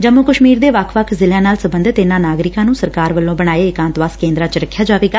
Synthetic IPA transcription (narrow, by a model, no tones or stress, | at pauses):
d͡ʒəmoːkəʃmiːɾd̪eːʋəkʰʋəkʰzɪljãːnaːlsəbə̃nd̪t̪ɪnãːnaːɡɾɪkãːnũːsəɾkaːɾʋəlːõːbəɽaːeːɪkãːnt̪ʋaːskẽːnd̪ɾãːt͡ʃɾəkʰːjaːd͡ʒaːʋeːɡaː